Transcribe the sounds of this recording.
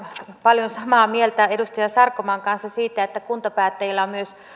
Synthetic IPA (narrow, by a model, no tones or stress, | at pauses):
pɑljonsɑmɑːmielt̪æedust̪ɑjɑsɑrkːomɑːŋkɑnsːɑsiːt̪æet̪ːækunt̪ɑpæːt̪ːæjilːɑmmyøs